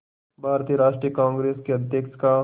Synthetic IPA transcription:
bʱaːɾt̪ijəɾaːʃʈɾijəkãːŋɡɾeːskeɐd̪ʱjəkt͡ʃka

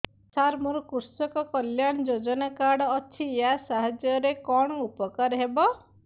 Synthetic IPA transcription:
saɾmuɾukuɾsɔkɔkɔljaɳ̃ɔd͡ʒod͡ʒɔnakaɽɔːt͡ʃʰieasaɦad͡ʒjɔɾekɔɳ̃ɔupɔkaɾɦebɔ

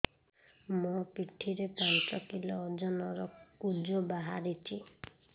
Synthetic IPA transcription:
mupiʈʰiɾepɾant͡ʃɔkilɔːd͡ʒɔnɔɾɔkud͡ʒɔbaɦa̰ɾit͡ʃʰi

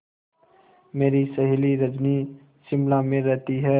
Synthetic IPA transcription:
meːɾisəɦliɾəd͡ʒni | sɪmlamẽɾɛɦt̪iɦɛː

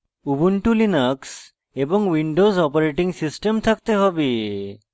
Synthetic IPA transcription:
ubuɳʈulinaks | ebɔŋwiɳɖozɔpaɾeʈiŋsisʈemt̪ʰak̚t̪eɦɔbi

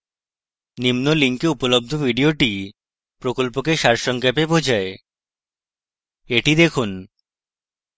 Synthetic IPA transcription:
nimnoliŋkeupolob̚d̪ʱobʱiɖioʈi | pɾokolpokeʃaɾʃɔŋkapebod͡ʑʱae | eʈid̪ekʰun

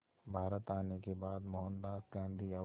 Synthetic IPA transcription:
bʱaːɾət̪aːnekebaːd̪mɔɦə̃nd̪aːsɡãːnd̪ʱiɐ

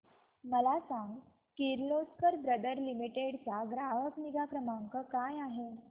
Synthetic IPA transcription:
məlasaŋɡ | kiɾloskəɾbɾəd̪əɾlimiʈeɽt͡saɡɾaʋəkniɡakɾəmaŋkəkajaɦe

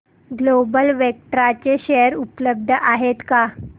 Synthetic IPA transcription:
ɡlobəlʋek̚ʈɾat͡ɕeɕejəɾupləb̚d̪ʱəʔaɦet̪ka

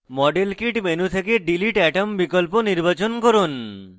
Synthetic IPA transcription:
mɔɖelkiʈmenut̪ʰekeɖiliʈɛʈombikolponiɾbat͡ɕonkoɾun

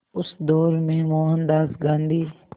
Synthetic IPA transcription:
ʊsd̪ɔːɾmẽmoːɦə̃nd̪aːzɡãːnd̪iː

